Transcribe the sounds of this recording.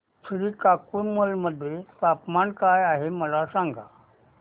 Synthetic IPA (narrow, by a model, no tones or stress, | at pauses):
fɾiːkakunmulməd̪ʱːjepapmankajaɦeməlasãŋɡa